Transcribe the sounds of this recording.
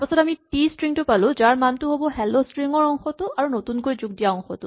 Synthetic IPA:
pɔsɔtamiʈistɹiŋtʊpalʊ̃zaɹmantʊɦobɔɦɛlostɹiŋɔɹɔŋxɔtʊʔaɹunot̪unkojzuɡ̚dijaɔŋxɔ̰tʊ

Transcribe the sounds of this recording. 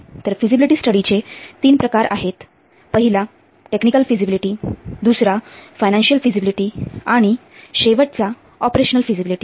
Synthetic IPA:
t̪əɾfid͡ʑibiliʈiːsʈəɽit͡ɕet̪iːnpɾəkaɾa̰ɦet̪ | pəɦila | ʈeknikəlfid͡ʑibiliʈiːd̪usɾafajnãnɕiəlfid͡ʑibiliʈiːaɽ̃iɕeʋəʈ̚t͡sa | ɔpɾeɕənəlfid͡ʑibiliʈi

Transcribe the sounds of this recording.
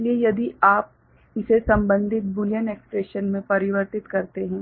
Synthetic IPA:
liejɐd̪iaːp̚ | ɪsesɐ̃mbə̃nd̪ʱɪt̪̚bʊlijəneːkspɾeːʃənmẽpɐɾɪʋəɾt̪ɪt̪kɐɾt̪eɦɛ̃ː

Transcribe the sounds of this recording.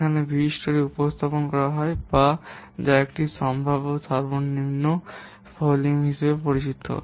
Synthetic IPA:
anebiiʃʈoɾeupost̪ʰaponkɔɾaɦɔebad͡ʑaek̚ʈiʃɔmbʱabosaɾbonːimno | foliŋɦiʃebepoɾit͡ɕit̪ːo̰

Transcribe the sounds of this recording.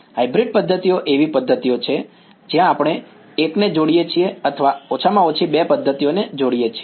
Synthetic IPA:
ɦajbɾiɖ̚pəd̪ʱːət̪ioʔeʋipəd̪ʱːət̪ijot͡ʃʰe | d͡ʒjãːpɽ̃e | ekned͡ʒoɽijet͡ʃʰieət̪ʰəʋaot͡ʃʰamãot͡ʃʰibepəd̪ʱːət̪ijoned͡ʒoɽijet͡ʃʰie

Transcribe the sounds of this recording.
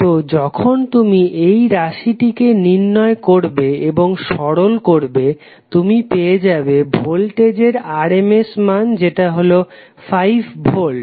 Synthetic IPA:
t̪od͡ʑɔkʰont̪umiʔejɾaʃiʈikeninːɔekoɾbeeboŋʃɔɽolkoɾbe | t̪umipeed͡ʑabebʱolʈed͡ʑeɾaɾemesmand͡ʑeʈaɦolo | fajbbʱol

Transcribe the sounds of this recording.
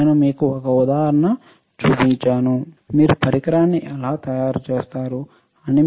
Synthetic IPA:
nɐmiːkuɔkɐud̪aːɦɐɾɐɳɐ | t͡ʃuːpiɲt͡ʃaːnu | miːɾupɐɾikɾaːnːiʔɛlaːt̪ɐjaːɾt͡ʃeːst̪aːɾu | ɐni

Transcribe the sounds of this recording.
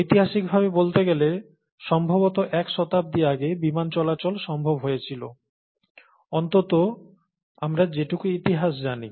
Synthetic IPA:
it̪iɦaʃik̚bʱaβebolt̪eɡɛle | ʃɔmbʱobot̪oʔɛkʃɔt̪ap̚d̪ieaɡebimant͡ɕɔlat͡ɕolʃɔmbʱobɦojet͡ɕʰilo̰ | ɔnt̪ot̪o | amɾad͡ʑeʈukuit̪iɦaʃd͡ʑani

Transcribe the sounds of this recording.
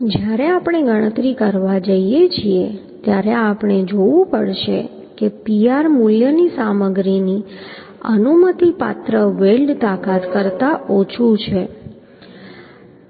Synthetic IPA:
d͡ʒjaɾeapɽ̃eɡəɽ̃ət̪ɾikəɾʋad͡ʒəijet͡ʃʰiet̪jaɾeapɳ̃ed͡ʒoʋũpəɽʃḛ | kepiaɾmuljənisaməɡɾini | ə̰numət̪ipa̰t̪ɾəʋelɖt̪akat̪kəɾt̪aʔot͡ʃʰut͡ʃʰe

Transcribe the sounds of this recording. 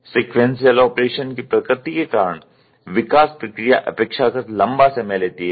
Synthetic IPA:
siːkʋẽnsijəlɔːpɾeːʃənkipɾəkɾɪt̪ikekaːɾəɳ̃ | ʋɪkaːspɾɐkɾɪja̰ʔɐ̰peːkʃakəɾlɐ̃mbasemɛleːt̪iɦɛ

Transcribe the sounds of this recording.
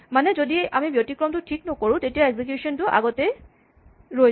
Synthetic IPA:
manɛzodiamibjotikɹɔmtʊtʰiknɔkoɹʊ̃tetijaeɡzik̬jusɔntʊʔa̰ɡɔtɛ | ɹoj

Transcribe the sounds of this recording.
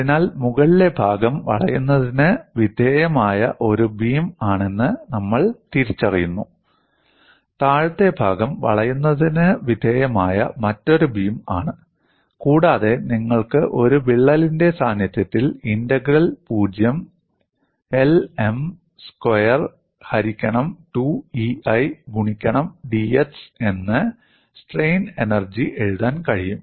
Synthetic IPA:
ɐinaːlmuɣɐɭile̞bʱaːɡɐmʋɐ̰ɭɐjunːɐðinɨʋid̪ʱeːjɐmaːjɐʔo̞ɾubiːmaːɳe̞nːɨnɐmːɐɭt̪iɾit͡ɕːɐrijunːu | t̪aːɻt̪ːe̞bʱaːɡɐmʋɐ̰ɭɐjunːɐðinɨʋid̪ʱeːjɐmaːjɐ̰mɐtːo̞ɾubiːmaːɳɨ | kuːɽaːðe̞niŋːɐɭkɨʔo̞ɾuʋiɭːɐlinde̞saːnjɐt̪jɐt̪ːilindɐɡɾɐlpuːd͡ʑjɐm | e̞le̞m | skwɐjɐr | hɐɾikʲːɐɳɐmʈuiɐjɡʱuɳikʲːɐɳɐmɖiese̞nːɨ | sʈrejne̞nɐrd͡ʑiʔe̞ɻuðaːnkɐɻijum

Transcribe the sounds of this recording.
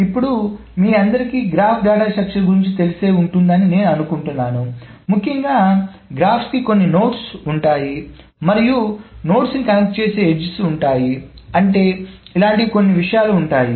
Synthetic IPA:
ipːuɽu | miːɐnd̪ɐɾikiːɡɾaːpʰɡaːʈaːʃɐkʂɐnɡuɾiɲt͡ʃit̪e̞liseːuɳʈund̪ɐnine̞ːnuɐnukuɳʈunːaːnu | mukʰːjɐŋɡaː | ɡɾaːpʰskiko̞nːino̞ːʈsuɳʈaːji | mɐɾijuno̞ːʈsnikɐnɐk̚ʈ̚t͡ʃe̞ːse̞ːed͡ʒsuɳʈaːjiɐɳʈe̞ːilaːɳʈiko̞nːiʋiʂɐjaːluːɳʈaːji

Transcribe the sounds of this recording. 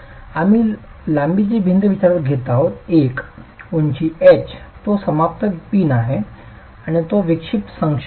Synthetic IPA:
amiː | lãmbit͡ɕiːbʱind̪əʋit͡ɕaɾət̪ɡʱet̪aɦot̪ekuɲt͡ɕiːet͡ɕt̪osəmap̚t̪əpiːnaɦe | aɽ̃it̪oʋikʂit̪səŋkʂ

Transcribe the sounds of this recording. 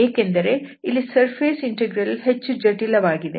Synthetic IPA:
eːke̞nd̪ɐɾe̞ | ilːisɐɾpʰeːsiɳʈeɡɾɐlhet͡ʃːud͡ʒɐʈilɐʋaːɡid̪ḛ

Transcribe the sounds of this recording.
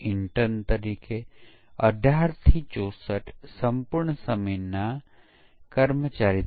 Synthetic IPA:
ɪɳʈəɾnt̪əɾiːke | ɐ̰ɖʱaːɾt̪ʰit͡ʃoːsəʈsɐmpʊɾɳəsəmena | kəɾmət͡ʃaːɾi

